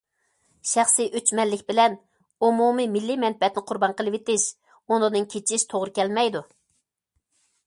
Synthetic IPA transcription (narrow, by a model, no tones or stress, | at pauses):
ʃæχsiʔøt͡ʃmɛnːɪkʲbɪlɛn | umumimilːimɛnpɛt̪nɪqʰʊɾbɑnqəlˠɪwet̪ɪʃ | onɨnɨŋkʲʰet͡ʃʰiʃt̪ʰoʁɾɨkʲɛlmɛjd̪u